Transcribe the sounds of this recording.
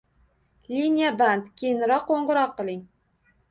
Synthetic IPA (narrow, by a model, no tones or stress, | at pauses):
lʲinʲijabant̪kʲʰejɪnɾɒqqːoɴʁɨɾɒqːɨlˠɪŋ